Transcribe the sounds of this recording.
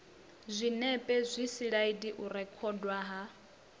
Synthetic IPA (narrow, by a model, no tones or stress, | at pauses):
zʷinɛpʼɛzʷisiɺaidiʔuɾɛkʰɔdwaɦa